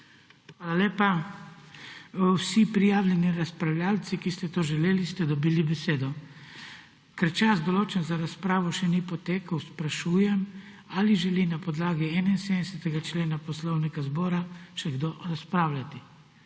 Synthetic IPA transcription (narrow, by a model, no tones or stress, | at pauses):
xʋaːlaleːpa | wsipɾijaːwlʲɛniɾaspɾawljalt̪sikist̪ɛt̪oːʒɛleːlist̪ɛd̪ɔbiːlibɛseːd̪ɔ | kɛɾt͡ʃazd̪ɔloːt͡ʃɛnzaɾaspɾaːʋɔʃɛnipɔt̪eːkəwspɾaʃuːjɛm | aliʒɛlinapɔd̪laːɡiɛːnainseːd̪ɛsɛt̪ɛɡat͡ʃleːnapɔslɔwnikazbɔːɾaʃɛɡd̪oɾaspɾaːwlʲat̪i